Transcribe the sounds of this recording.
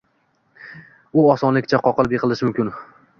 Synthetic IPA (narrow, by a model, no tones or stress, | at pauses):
ʊɒsɒnlɪkʲt͡ʃʰaqʰɒqɨlˠbeqʰɨlˠɪʃɪmʊmkʲɪn